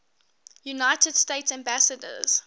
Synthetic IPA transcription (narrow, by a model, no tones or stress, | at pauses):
junaɪtʰəd̥steɪtsæ̃mbæsədə̰z̥